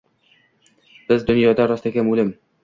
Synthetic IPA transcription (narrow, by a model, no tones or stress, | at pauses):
b̥ɪzd̪ʊnjɒd̪aɾɒst̪akʲamʊlɪm